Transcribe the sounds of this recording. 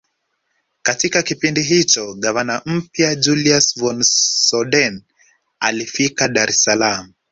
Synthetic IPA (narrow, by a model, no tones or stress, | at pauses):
katikakipindiɦit͡ʃɔɠavanam̩pjad͡ʒuliasvɔnsɔɗɛn | a̰lifikaɗaɾɛsalamu